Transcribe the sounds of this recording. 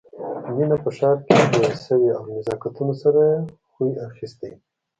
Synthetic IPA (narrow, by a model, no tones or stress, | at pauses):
minapəʃɑɾked̪əsəweawnɪzɑkat̪unosaɾaexujaxist̪i